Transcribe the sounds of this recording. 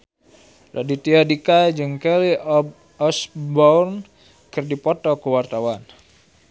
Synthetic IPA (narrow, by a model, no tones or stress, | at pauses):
la̰dit̪iadikad͡ʒɨŋkɛli | ɔsbɔrn | kɨrdipɔt̪ɔkəwart̪awan